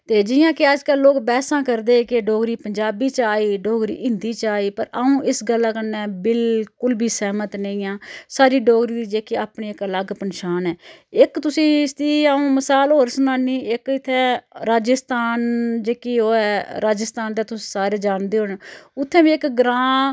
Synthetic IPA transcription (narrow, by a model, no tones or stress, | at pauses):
t̪eːd͡ʒɪjãːkɪad͡ʒkəlːoːkbɛːsãːkəɾd̪eːkɪɖɔːɡɾiːpəɲd͡ʒaːbiːt͡ʃaːiːɖɔːɡɾḭːʔɪnd̪iːt͡ʃaːiːpəɾəũːʔɪsɡəlːãːkənːɛːbɪlkʊlbʱiːsɛːmət̪nəĩːãːsaːɾiːɖɔːɡɾiːd̪iːd͡ʒeːkiaːpɳeːɪkələɡpənʃaːnɛːɪkt̪ʊsĩːst̪iːaːũːməsaːlɦoːɾsənãːniːɪkɪt̪ʰːɛ̃ːɾaːd͡ʒəst̪aːnd͡ʒeːkiːoːɛːɾaːd͡ʒəst̪aːnd̪aːt̪ʊsi̥ːsaːɾeːd͡ʒaːɳd̪eːɦʊɳʊt̪ʰːɛ̃ːʋiːɪkɡɾãː